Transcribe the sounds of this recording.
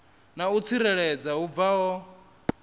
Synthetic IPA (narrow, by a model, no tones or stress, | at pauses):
naut͡sʰiɾɛɺɛd͡zaub̪vaɦɔ